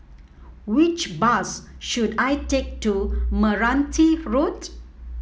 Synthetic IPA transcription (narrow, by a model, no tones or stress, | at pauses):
wɪt͡ʃbasʃuɖajtek̚ʈuməɾãnt̪ʰiɾot